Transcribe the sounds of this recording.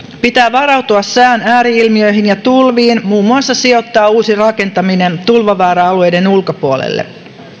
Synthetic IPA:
pit̪æːʋɑɾɑwt̪uɑssæːnæːɾiilmiø̞jɦinjɑt̪ulʋiːnmuːmːuɑsːɑsio̞t̪ːɑːuːsirɑke̞nt̪ɑminent̪ulʋɑʋæːɾɑɑlue̞jde̞nulkopuolḛlːḛ

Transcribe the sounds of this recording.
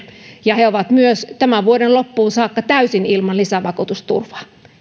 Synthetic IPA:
jɑheoʋɑt̪myøst̪æmæʋuodenlopːuːnsɑːkːɑt̪æysinilmɑnlisæʋɑkut̪ust̪ṵrʋɑ̥

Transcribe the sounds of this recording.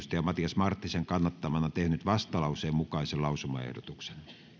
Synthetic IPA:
st̪ɑjɑmɑt̪ijɑsmɑrt̪ːiseŋkɑnːɑt̪ːɑmɑnɑt̪ehnyt̪ʋɑst̪ɑlɑˑuseːmmukɑˑiselɑusumɑ̰ḛhdot̪ukse̥n

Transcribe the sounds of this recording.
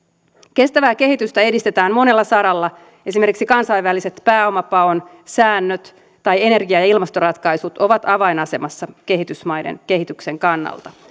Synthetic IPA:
ke̞st̪æʋæːke̞ɦit̪yst̪æe̞dist̪e̞t̪æːmmo̞ne̞lːɑsɑɾɑlːɑ | ʔe̞sime̞rkiksikɑnsɑjʋʋælːise̞t̪pæːo̞mɑpɑon | sæːnːøt̪ | tːɑje̞ne̞rɡiɑjɑilmɑst̪o̞ɾɑt̪kɑjsut̪o̞ʋɑt̪ɑʋɑjnɑse̞mɑsːɑke̞ɦit̪ysmɑjde̞̰nke̞ɦit̪ykse̞ŋkɑnːɑ̰lt̪ɑ

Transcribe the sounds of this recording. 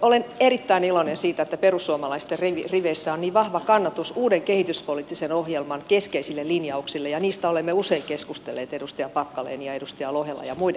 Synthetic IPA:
olenerit̪ːæinilonensiːt̪æet̪ːæperusːuomɑlɑist̪erriʋiriʋeisːæoniːʋʋɑhʋɑkɑnːɑt̪usuːdeŋkehit̪yspolit̪ːisenohjelmɑŋkeskeisilːelinjɑuksilːejɑniːst̪æolemːeuseikeskust̪elːeːt̪edust̪iɑmpɑkːɑlḛːniɑedust̪iɑlohelːɑ̰jɑmuide

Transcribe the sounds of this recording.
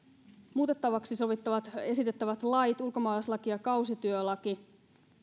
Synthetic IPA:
muːt̪e̞t̪ːɑʋɑksiso̞ʋit̪ːɑʋɑt̪e̞sit̪e̞t̪ːæʋæt̪lɑjt̪ulko̞mɑːlɑslɑkiɑkɑusit̪yølɑki

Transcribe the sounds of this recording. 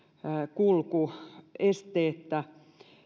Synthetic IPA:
kulkuest̪eːt̪ːæ

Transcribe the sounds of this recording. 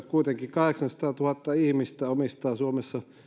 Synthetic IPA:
t̪kuit̪eŋkikɑheksɑnsɑ̥t̪ɑːt̪uhɑt̪ːɑihmist̪æomist̪ɑːsuomesːɑ

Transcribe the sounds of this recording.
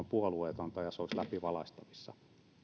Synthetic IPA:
mpuɑlueːt̪ont̪ɑjɑseoslæpiʋɑlɑst̪ɑʋisːɑ̰

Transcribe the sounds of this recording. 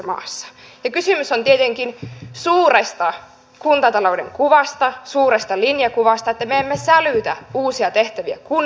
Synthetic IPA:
mɑ̰ːsːɑ̥jɑkysymysont̪iet̪eŋkinsuːrest̪ɑ | kunt̪ɑt̪ɑloudḛŋkuʋɑst̪ɑsuːrest̪ɑlinjɑkuʋɑst̪ɑet̪ːæmeemːesælyt̪æuːsiɑt̪eht̪æʋiæ̰kun

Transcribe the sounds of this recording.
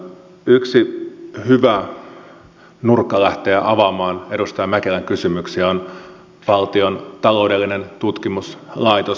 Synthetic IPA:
yksihyʋæ | nurkːɑlæht̪eːʔɑʋɑmɑːne̞dust̪ɑjɑmækelæŋkysymyksiæon | ʋɑlt̪io̞nt̪ɑlo̞ude̞lːine̞nt̪ut̪kimuslɑijt̪o

